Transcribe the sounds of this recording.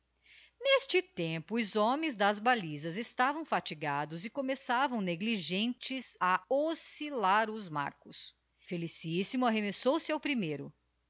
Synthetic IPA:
nest͡ʃɪt̪ẽmpʊːzõmẽj̃zd̪ɐzbalizɐzest̪avɐ̃w̃fat͡ʃiɡad̪ʊzɪkomesavɐ̃w̃neɡliʒẽnt͡ʃɪzaosilaɾʊzma̰ɾkʊs | felisisimʊaɦemesowsɪawpɾimejɾʊ

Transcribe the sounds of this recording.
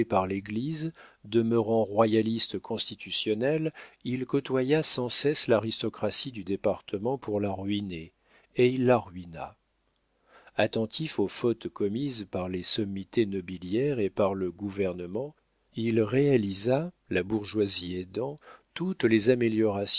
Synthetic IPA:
paʁleɡlizd̪əmøʁɑ̃ʁwajalist̪kʰɔ̃st̪it̪ʰysjɔnɛlilkɔt̪wajasɑ̃sɛslaʁist̪ɔkχasid̪yd̪epaʁt̪əmɑ̃pʰuʁlaʁɥine | eilːaʁɥina̰ | at̪ɑ̃t̪ʰifofɔt̪kɔmizpaʁlesɔmːit̪enɔbiljɛʁepaʁləɡuvɛʁnəmɑ̃ | ilʁealiza | labuʁʒwazied̪ɑ̃t̪ut̪lezameljɔʁas

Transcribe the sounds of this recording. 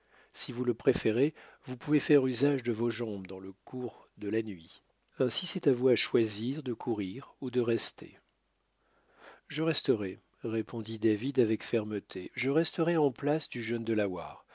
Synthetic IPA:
sivuləpχefeʁe | vupuvefɛʁyzaʒd̪əvoʒɑ̃bd̪ɑ̃ləkʰuʁ | d̪əlanɥi | ɛ̃sisɛt̪avuaʃwaziʁd̪əkʰuʁiʁud̪əʁɛst̪ʰḛ | ʒəʁɛst̪əʁɛ | ʁepʰɔ̃d̪id̪avid̪avɛkfɛʁmət̪ʰeʒəʁɛst̪əʁɛɑ̃plasd̪yʒənd̪əlawa̰ːʁ

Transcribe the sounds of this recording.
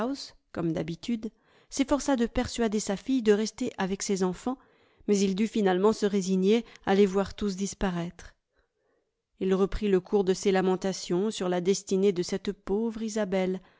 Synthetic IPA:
s | kɔmd̪abit̪yd̪ | sefɔʁsad̪əpɛʁsɥad̪esafijd̪əʁɛst̪eʔavɛksezɑ̃fɑ̃ | mɛzild̪yfinalmɑ̃səʁeziɲealevwaʁt̪us̬d̪ispaʁɛt̪χ | ilʁəpχiləkʰuʁd̪əselamɑ̃t̪asjɔ̃syʁlad̪ɛst̪ined̪əsɛt̪povʁizabɛl

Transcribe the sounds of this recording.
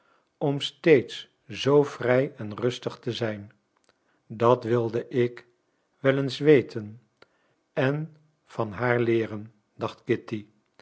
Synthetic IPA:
ɔmstejts | z̥owvrɛjɛnrɵstəχtəzɛjn | dɑtʋɪlˠdəʔɪk | ʋɛlənsʋejtʰən | ɛn | v̥ɑnɦaːɹlɪːrən | d̥ɑχtkɪti

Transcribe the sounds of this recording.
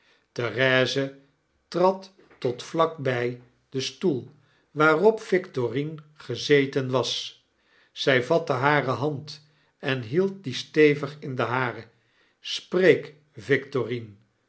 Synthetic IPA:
tərɛːzə | trɑtː | ɔtflɑk̚bɛj | d̥əstulˠ | ʋaːrɔpfɪktorinχəzejtənʋɑs | z̥ɛjvɑtəɦaːrəɦɑnt | ɛnɦilˠt̚distejvəχɪndəɦaːɾə | sprejk | vɪktorin

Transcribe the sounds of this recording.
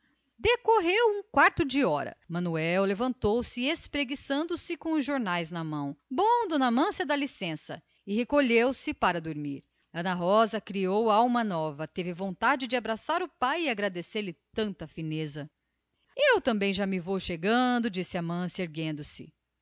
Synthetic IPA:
d̪ekoɦewũkwaɾt̪ʊd͡ʒɪɔɾɐ̰mɐ̃nuɛwlevɐ̃nt̪owsɪespɾeɡisɐ̃nd̪ʊsɪkõʊzʒoɾnajznɐmɐ̃w̃bõd̪ʊnɐmɐ̃sjɐd̪ɐlisẽsɐ̰ | ɪhekoʎewsɪpaɾɐd̪oɾmiɾ | ɐ̃nɐɦɔzɐkɾiowawmɐnɔvɐt̪evɪvõnt̪ad͡ʒɪd͡ʒɪabɾasaɾʊpajɪaɡɾad̪eseɾlɪt̪ɐ̃nt̪ɐfinezɐ | ewt̪ɐ̃mbẽj̃ʒamɪvowʃeɡɐ̃d̪ʊd͡ʒisɪɐmɐ̃sjɐeɾɡẽnd̪ʊsɪ̰

